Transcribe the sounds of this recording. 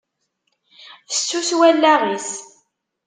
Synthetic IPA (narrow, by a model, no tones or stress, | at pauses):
θə̥sːuswælːæʁis